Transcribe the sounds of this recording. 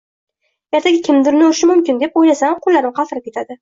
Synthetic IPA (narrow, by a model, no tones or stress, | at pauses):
jeɾt̪ʰaɡʲɪkʲʰɪmd̪ʊɾnʊʃɪmʊmkʲɪnd̪e̞pojlasamqʰʊlːaɾɪmqʰɑfɾap̚kʲe̞t̪ʰad̪ɪ